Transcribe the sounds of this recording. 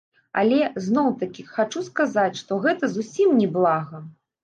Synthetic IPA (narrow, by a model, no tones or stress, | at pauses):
a̰lʲɛznɔwt̪ɐkʲixat͡ʂuskazat͡sʲʂt̪ɔɣɛt̪ɐzusʲimnʲɛblˠaɣɐ